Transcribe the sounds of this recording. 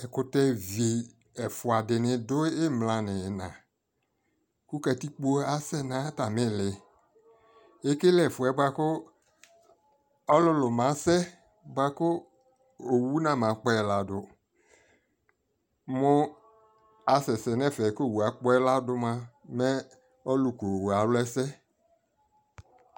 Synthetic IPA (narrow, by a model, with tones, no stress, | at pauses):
ɛ˨kʊ˨tɛ˦ve˨ | ɛ˨fʊ˨a˨dɪ˨nɪ̃˨dʊ˦ɪ˦mlã˨nɪ˨nã̰˨ | ku˦kɛ˨ti˦k͡po˦a˦sɛ˦nã˨˦ta˨mɪ̃˦lɪ˨ | e˦ke˦lɪ˦ɛ˨fʊ˨ɛ˨ba˦kʊ˦ | ɔ˦lʊ˦lʊ˨mã˨˦sɛ˦ | ba˨kʊ˦ | o˨wu˦nã˦˨mã˨k͡pɔ˦ɛ˨la˨dʊ˨ | mʊ˦ | a˨sɛ˨sɛ˨nɛ˦fɛ˨˦ko˦˨wu˨a˨k͡pɔ˦ɛ˦la˦dʊ˦mã˦mɛ˦ | ɔ˦lu˨ko˨wa˨lʊ˦ɛ˦sɛ˦